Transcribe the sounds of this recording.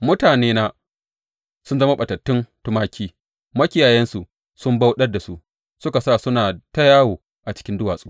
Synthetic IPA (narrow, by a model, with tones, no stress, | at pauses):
mʊ˦taː˨neː˦naː˦ | sʊ˦nzɐ˦ma˦ɓɐ˨tɐ˨tːɪ˦ntʊ˦maː˦kʲiː˦ | mɐ˦kʲɪ˦jaː˨jɛ˦nsu˨ʔ | sʊ˦mba˦wɗɐ˦rda˨su˦ʔ | sʊ˦ka˨saː˦˨sʊ˦naː˨tɐ˦jaː˦woː˨ | ʔa˨t͡ʃɪ̥˦kʲɪ˦ndʊ˦waː˨sʼu̥˦